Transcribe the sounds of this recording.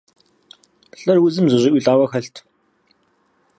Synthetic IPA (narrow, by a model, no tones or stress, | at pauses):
ɬʼɐrwʊzɨmzɨʑɪʔʷiːɬʼaːwɐxɐɬtʰ